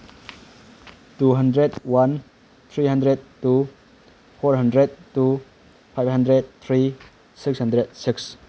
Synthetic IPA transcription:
tuɦandɾedwan | t̪ʰɾiɦandɾed̚tu | pʰɔɾɦandɾed̚tːu | pʰajb̚ɦandɾed̚t̪ʰɾi | sikshandɾed̚siks

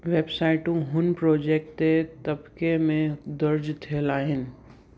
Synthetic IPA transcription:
ʋeːbsaːɪʈũɦʊnpɾoːd͡ʒeːk̚ʈet̪ɐbkemẽd̪ɐɾd͡ʒt̪ʰelaːɦɪnɪ̆

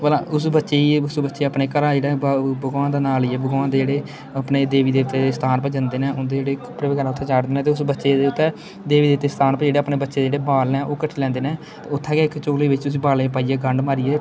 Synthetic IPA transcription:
bəlãʊsbətːʃeːiʊsbətːʃeːəpneːkəɾaːeːɽaːbəɡãːd̪aːnaːliɛːbəɡoãːd̪eːd͡ʒeːɽeː | əpneːd̪eːʋiːd̪eːt̪ːeːst̪ʰaːnpəd͡ʒənd̪eːnɛːʔʊnd̪eːd͡ʒeːɽeːpɾəʋɪkəɾãːʊt̪ʰeːt͡ʃaːɖd̪eːnɛːt̪eːʊsbətːʃeːd̪eːʊt̪ːɛː | d̪eːʋiːeːʋt̪ːeːst̪ʰaːnpɛd͡ʒeːɽeːəːpneːbətːʃeːd̪ed͡ʒeːɽeːbaːlnɛːʔoːkəʈʰːilɛ̃ːnd̪eːnɛ̃ː | t̪ːʊt̪ʰːãːkeɪkt͡ʃoːleːʋɪt͡ʃʊs̬iːbaːlẽpaːiːɛːɡəɳɖmaːɾiɛː

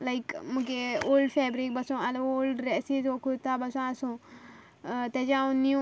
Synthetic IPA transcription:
laɪkmũkeoːlɖfeːbɾik̚bɐsõaloːlɖɾesizoːkʰut̪abɐsõasõ | t̪ed͡ʒãũnĩ

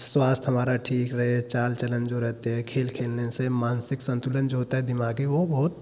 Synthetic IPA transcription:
swaːst̪ʰɦəmaːɾaʈʰiːkɾəɦɛt͡ʃaːlt͡ʃələnd͡ʒoɾɛɦt̪eɦɛkʰeːlkʰeːlnesemaːnsɪksə̃nt̪ulənd͡ʒoɦot̪aɦɛd̪ɪmaːɡiʋobɔɦʊt̪

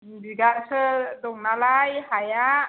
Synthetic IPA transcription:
biɡaʔsəd̪ɔŋnalajhajaʔ

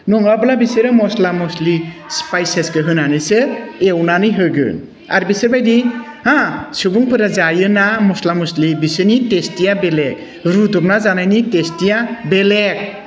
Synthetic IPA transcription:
nɔŋablabiseɾɯmɔslamɔslispajseskɯɦɯnanɯsɯewnanɯjɦɯɡɯ̰n | a̰ɾbisebajdi | hãsubuŋpʰɯɾazajɯnamɔslamɔslibisɯnitestijabelek̚ | ɾudɔp̚nazanajnitestijabelek̚

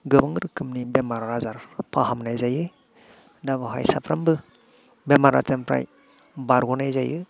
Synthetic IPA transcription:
ɡɯbɯŋɾɯkʰɯmnibemaɾaɾazaɾpʰaɦamnajzajɯ | daβaɦa̰jsapʰɾambɯ | bemaɾa̰tempʰɾa̰j | baɾɡunajzajɯ

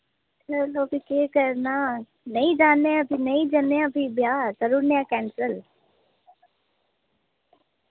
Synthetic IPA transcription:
təlobikeːkəɾna | nɐĩd͡ʒaːneɐbʱinɐĩd͡ʒaneɐbʱibjad͡ʒəɾuɾnjakɛːnsəl

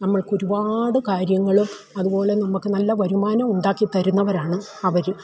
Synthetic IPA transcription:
nɐmːɐɭkoɾubaːɽɨkaːɾjɐŋːɐɭum | ɐðubo̞ːle̞nɐmːukːɨnɐlːɐʋɐɾumaːnɐmuɳɖaːkːit̪ːɐɾunːɐʋɐɾaːɳɨ | ɐʋɐɾ

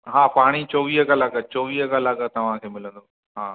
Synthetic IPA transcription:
ɦaːpaːɽ̃it͡ɕoːʋiːɦəkɐlaːkət͡ɕoːʋiːɦəkɐlaːkət̪ɐʋ̤ãkʰeːmɪlə̃nd̪oː | ɦaː

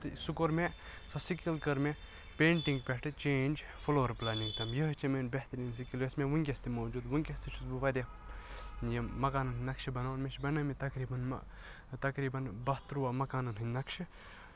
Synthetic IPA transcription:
t̪sukoɾme | sʰɐsikilkɐɾme | peːɳʈiŋɡpʲeʈɨt͡ʃeːnʲd͡ʒ | fʰoloːɐɾplaːnĩŋɡt̪ʰɐmjɐɦt͡ʃʰimenbeht̪ɐɾiːnsikilʋesmẽʋuŋkʲest̪ʰimoːd͡ʒuːd̪ʋuŋkʲest̪ʰit͡ʃʰut̪buʋɐɾʲɐ | jɐmɐkaːnɐnɦinɐkʃʰibɐnanmeʃʰbɐnɐmet̪ɐkɾiːbɐn̰ | t̪ɐkɾiːbɐnbɐst̪ɾuʋamɐkaːnɐnɦinɐkʃʰi

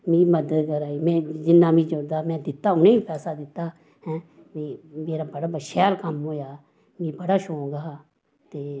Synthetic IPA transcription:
mĩːməd̪ət̪kəɾaːiːmɛ̃ːd͡ʒɪnːaːmĩːd͡ʒoɾd̪aːmɛ̃ːd̪ɪt̪ːaːʊnẽːiːpɛːsaːd̪ɪt̪ːaː | hɛ̃ː | ʋiːmeːɾaːbəɽaːbəʃɛːlkəmɦoːjaː | mĩːbəɽaːʃoːɡaː | t̪eː

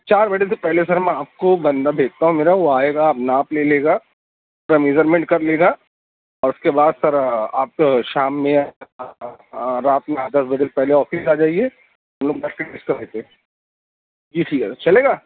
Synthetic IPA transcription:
t͡ʃaːɾbɛːʈ̬esepɛɦlesɐɾmɛ̃aːp̚kobɐ̃nd̪abʱeːɡ̚t̪aɦũmeːɾaʋoaːeːɡaːpnaːpleːleːɡa | pɾɐmiːzəɾmẽɳʈ̚kɐɾleːɡa | ɔːɾʊskebaːd̪sɐɾaːp̚ʃaːmːẽ | ɾaːt̪mẽaːd̪ɐsbɐd͡ʒ̪elpɛɦleɔːfɪsaːd͡ʒaːie | ɦɐmloːɡ̚baːʈkeʈːɪskɐɾeːt̪eɛ̃ | d͡ʒiːsʰit͡ʃɐleːɡaː

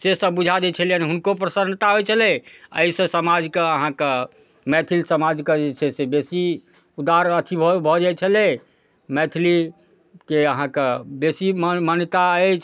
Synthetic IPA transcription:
sesə̃bud͡ʒʱad̪ɛt͡ʃʰəliəniɦunkopɾəsənt̪aɦojt͡ʃʰəlɛəisə̃səmad͡ʒkeəɦãke | mɛt̪ʰilisəmad͡ʒked͡ʒet͡ʃʰɛsebesi | ud̪aɾət̪ʰibʱbʱɔd͡ʒɛt͡ʃʰəlɛ | mɛt̪ʰili | keəɦãkebesimmənt̪aət͡ʃʰ

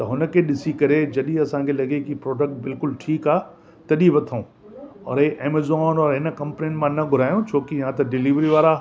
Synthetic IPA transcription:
t̪ɐɦʊnə̆kʰeɗɪsikɐɾed͡ʑɐɗĩɐsãkʰelɐɡekipɾoːɖək̚ʈ̚bɪlkʊlʈʰiːkaː | t̪ɐɗĩʋɐt̪ʰaũ | ɔ̰ːɾeːʔeːmezɔːnɔːɾɦɪnkɐ̃mpninmãnɐɡʱʊɾaːjũt͡ɕʰoːkiɦãt̪ɐɖɪliʋɾiʋaːɾa

